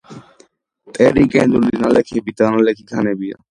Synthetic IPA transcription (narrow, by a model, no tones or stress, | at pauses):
t̪ʼeɾikɛ̃ːnd̪ulinalekʰebit̪analekʰikʰanebija̰